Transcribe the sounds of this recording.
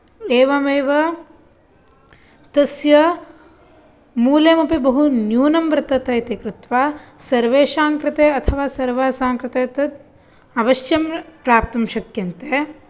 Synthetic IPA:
eːʋɐmeːʋɐ | t̪ɐsjɐ | muːleːmɐpibɐɦunjuːnɐmbɾɪt̪ɐt̪ɐjt̪ekɾɪt̪ʋaːsɐɾʋeːʃaːŋkɾɪt̪eːɐt̪ʰɐʋaːsɐɾʋaːsaːŋkɾɪt̪eːt̪ɐt̪̚ | ɐʋɐʃjɐmpɾaːp̚t̪ɐmʃɐkjɐnt̪eː

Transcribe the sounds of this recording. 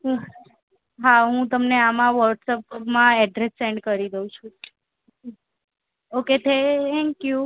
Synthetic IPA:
ɦũ | ɦaɦũt̪əmneamãʋəɾʈsəppmãɛɖɾesːɛɳɖkəɾid̪eɦũt͡ʃʰũ | oket̪ʰet̪ʰɛ̃ŋkju

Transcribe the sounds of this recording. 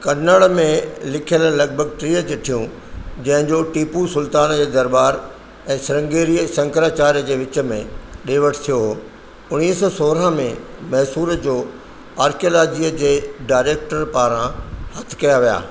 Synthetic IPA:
kɐnəɭmẽlɪkʰijəllɐɡ̚bʱəɡ̚ʈɾiːət͡ɕeʈʰijũ | d͡ʑɐ̃ɦɪ̃ɲd͡ʑoʈiːpusʊlt̪aːnd͡ʑeːd̪ɐɾbaːɾ | ɛ̃ːsɪɾə̃ŋɡeːɾisɐ̃ŋkɾaːt͡ɕaːɾjəd͡ʑeːʋɪt͡ɕə̆mẽɗeːʋəʈʰt̪ʰijoɦ | ʊñiːəsɔsoːɾə̃mẽmɐɦsuːɾəd͡ʑoː | aːɾkijolaːd͡ʑijəd͡ʑeːɖaːɪɾeːk̚ʈəɾpaːɾãhɐt̪ʰɪ̥̆kɐjaʋija̰ː

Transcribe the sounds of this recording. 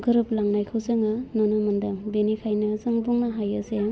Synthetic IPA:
ɡɯɾɯp̚laŋnajkʰɯwzɯŋɯnɔnɯmɯndɯŋbenikʰajnɯzɯŋbuŋnaɦajɯse

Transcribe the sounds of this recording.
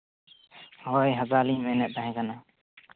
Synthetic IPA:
hɔjɦazalimɛnɛt̪̚aɦɛ̃kana

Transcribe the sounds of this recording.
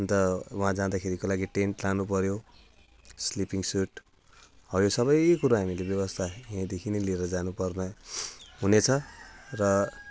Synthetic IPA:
ʌnt̪ʌwɦãd͡zad̪akʰeɾikolaɡiʈeɳʈlanupʌɾjo | slipiŋsuʈ | ʌjosʌbʌjkuɾaɦamilebjʌβʌst̪ʰajãd̪ekʰinelieɾʌd͡zanupʌrnʌɦunet͡sʰʌrʌ

